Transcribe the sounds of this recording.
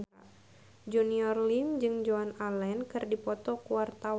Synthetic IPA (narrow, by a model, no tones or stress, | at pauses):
d͡ʒuniɔrliŋd͡ʒɨŋd͡ʒoanalɛnkɨrdipɔt̪ɔkuwart̪awa